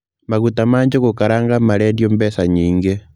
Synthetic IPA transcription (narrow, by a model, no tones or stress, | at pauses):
maɣutamaːɲd͡ʒoɣokaɾaːŋɡamaɾɛːndjombɛsaɲiːŋɡe